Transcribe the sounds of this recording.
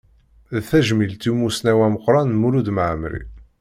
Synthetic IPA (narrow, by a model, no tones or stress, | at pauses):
ðθæʒmilt̪imːusnæwæməqːɾˤɑnmuɾud̪məʕmɾḭ